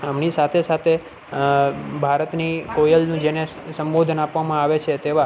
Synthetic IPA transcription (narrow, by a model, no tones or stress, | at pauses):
əmnisat̪ʰesat̪ʰe | bʱaɾət̪nikojəlnũd͡ʒenesəmbod̪ʱənapʋamãaʋet͡ʃʰet̪eʋa